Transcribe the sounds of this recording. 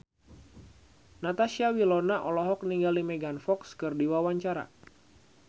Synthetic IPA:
nat̪aʃiawilɔnaʔɔlɔɦɔk̚niŋɡalimɛɡanfɔkskɨrdiwawaɲt͡ʃaɾa̰

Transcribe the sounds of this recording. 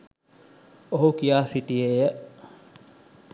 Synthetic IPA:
oɦukijaːsiʈijejə

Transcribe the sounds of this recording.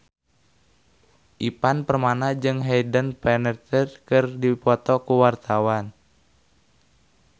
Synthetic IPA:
ʔipanpərmanad͡ʒɨŋɦɛjdənpɛnərt̪ərkɨrdipɔt̪ɔkuwart̪awan

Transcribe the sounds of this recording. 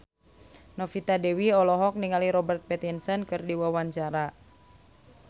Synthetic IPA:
nɔfit̪adɛwiɔlɔɦɔk̚niŋaliɾɔbərt̪̚pɛt̪insənkɨrdiwawaɲt͡ʃaɾa

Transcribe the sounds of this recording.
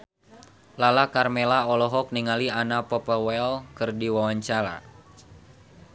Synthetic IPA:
lalakarmɛlaɔlɔɦɔk̚niŋalianapɔpəwɛlkɨrdiwawaɲt͡ʃaɾa̰

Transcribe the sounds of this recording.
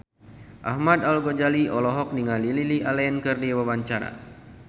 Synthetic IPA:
ʔahmad̪alɡod͡ʒaliʔɔlɔɦɔk̚niŋalililiʔalaənkɨrdiwabaɲt͡ʃaɾa̰

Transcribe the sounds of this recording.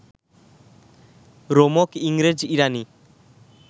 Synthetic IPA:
ɾomokiŋɾed͡ʑiɾani

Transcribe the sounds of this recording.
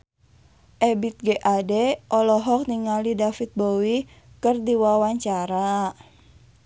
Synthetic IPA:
ʔɛbit̪̚ɡeʔadɛʔɔlɔɦɔk̚niŋalidafit̪̚bowi | kərdiwawaɲt͡ʃaɾa

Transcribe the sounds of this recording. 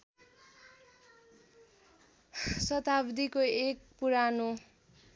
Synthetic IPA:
sʌt̪abd̪ikoek̚puɾano

